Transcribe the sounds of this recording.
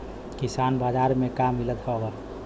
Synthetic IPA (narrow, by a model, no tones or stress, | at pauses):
kisaːnbaːd͡ʒaɾmẽkammilət̪hʰɔoɡa